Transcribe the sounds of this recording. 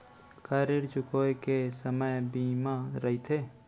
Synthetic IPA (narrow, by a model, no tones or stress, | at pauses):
kʰaɾiɾt͡ʃʊkokesəməjbiːmaɾəɦit̪ʰe